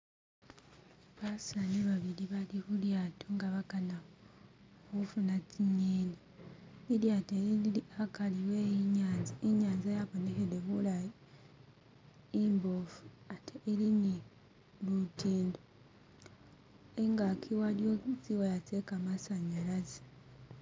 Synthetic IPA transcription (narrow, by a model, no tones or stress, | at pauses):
βasaniβaβiɾiβalikuɾjatʰoŋɡaβakana | hufunat͡siɲeːnaiɾjateiakaliwejiɲaziɲaːnzajaβoneɦeɾeβulaji | imbofu̥ateʔiɾini | lutiːndo | eŋɡakʰiwaɾjot͡siwajat͡sekamasaɲaɾazi̥